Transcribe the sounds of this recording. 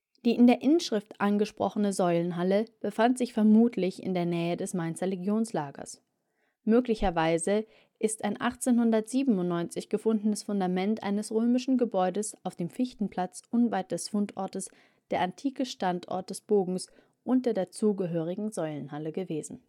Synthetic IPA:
d̥iːɪndeːɐʔɪnəʃʁ̥ɪftʔanɡəʃpʁ̥ɔ̰χənəzɔʏlənɦaləb̥əfantz̥ɪçfɛɐmuːtʰlɪçɪ̰ndeːɐnɛːədɛsmaɪnt͡sʁeleɡjoːnslaːɡɐ̰s | møːklɪçɐvaɪzə | ʔɪstaɪnʔaχt͡seːnhʊndɐtz̥iːbm̩ʊntnːɔʏnt͡sɪçɡ̥əfʊndn̩əsfʊndamɛntʔa̰ɪnəsʁøːmɪʃn̩ɡəbɔʏdəsaʊfd̥eːmfɪçtn̩pʰl̥at͡sʔʊnvaɪt̚d̥ɛsfʊntʔɔ̰ɐtəs | d̥eːɐʔantʰiːkəʃtantʔɔ̰ɐt̚d̥ɛsb̥oːɡŋ̩s | ʔʊnt̚d̥ɐːɐdeːɐt͡suːɡəɦøːʁ̞ɪɡŋ̩zɔʏlənɦaləɡəveːzn̩

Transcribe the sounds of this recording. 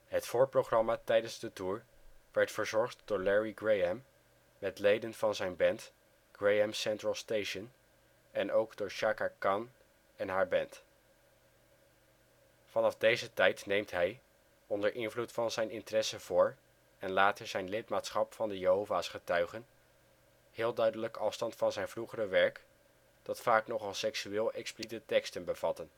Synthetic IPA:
ɦətfʊːɹprowχrɑmaːtɛjdənzdətuːɹ | ʋɛɹtfəɹzɔɹχtdʊːɹlɛɹiɡɹejɛmː | ɛtlejdənv̥ɑnzɛjnbɛnt | ɡ̥rejɛmsɛntrəlˠstejʃən | ɛnowɡdʊːɹʃaːkakɑn | ɛnɦaːɹbɛnt | fɑnɑvdejzətɛjtnejmtɦɛj | ɔndəɹʔɪnvlutfɑnzɛjnɪntərɛsəv̥ʊːɹ | ɛnlaːtəzɛjnlɪtmaːtsχɑpfɑndəjəɦowvaːsχətœɥχən | hɪːlˠdœɥdələkɑfstɑntfɑnzɛjnvruχərəʋɛɹk | d̥ɑtfaːknɔχɑlˠsɛksyɪːlˠʔɛksplitətɛkstənbəv̥ɑtən

